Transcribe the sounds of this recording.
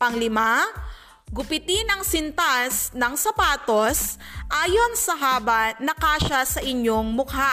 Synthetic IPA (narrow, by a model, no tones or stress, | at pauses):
ʔɐŋlɪma | ɡʊpɪt̪ɪnɐŋsɪnt̪asnɐŋsɐpaːt̪o̞sʔaːjo̞nsɐɦaːbɐnɐkaːʃɐsɐʔɪɲjo̞ŋmʊkha